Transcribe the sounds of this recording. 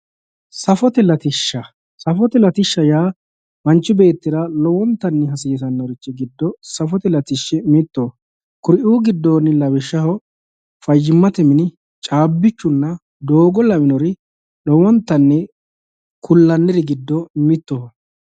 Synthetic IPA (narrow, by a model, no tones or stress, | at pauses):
sɐfɔt̪ɛlɐt̪ɪʃːɐ | sɐfɔt̪ɛlɐt̪ɪʃːɐjaː | mɐnt͡ʃːɪbe̞ːt̪ːɪɾɐlɔwɔnt̪ːɐnːɛɦɐsɪːsɐnːɔɾɪt͡ʃːɛɡɪd̪ːɔsɐfɔt̪ɛlɐt̪ɪʃːɪmɪt̪ːo | kʊɾɪʔuːɡɪd̪ːoːnɪlɐbɪʃːɐhɔ | fɐjːɪmːɐt̪ɛmɪnɪ | t͡ʃʼaːbːɪt͡ʃːʊnːɐ | d̪oːɡɔlɐmɪnɔɾɪ | lɔwɔnt̪ːɐnːɛ | kʰʊlːɐnːɪɾɪɡɪd̪ːɔmɪt̪ːoː